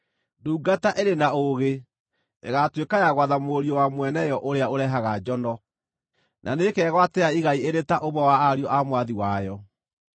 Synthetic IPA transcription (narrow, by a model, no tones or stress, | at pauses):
nduːɡataʔeɾenaoɣe | ḛɣatwekajaɣwaðamoɾiɔwamwɛnɛjɔʔoɾeaoɾɛɦaɣad͡ʒɔnɔ | nʔa̰nekɛːɣwatɛaiɣaieɾetaʔoβɔwaːɾiɔʔamwaðiwajɔ